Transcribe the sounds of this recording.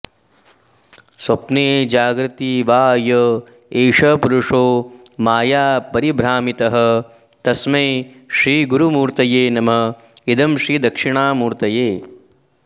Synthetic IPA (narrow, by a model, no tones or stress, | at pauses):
swɐpneːd͡ʒaːɡɾɪt̪iʋaːjɐ | eːʂɐpuɾuʂoːmaːjaːpɐɾibɾaːmit̪ɐɦɐ̆ | t̪ɐsmeː | ʃɾiːɡuɾumuːɾt̪ɐjeːnɐmɐ | id̪ɐmʃɾiːd̪ɐkʂiɳaːmuːɾt̪ɐjeː